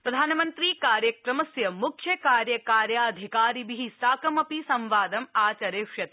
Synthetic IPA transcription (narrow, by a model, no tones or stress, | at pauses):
pɾɐd̪ʱaːnɐmɐnt̪ɾiːkaːɾjɐkɾɐmɐsjɐmukʰjɐkaːɾjɐkaːɾjɐɐd̪ʱikaːɾibiɦisaːkɐmɐpisɐ̃mʋaːd̪ɐmaːt͡ʃɐɾeːʃjɐt̪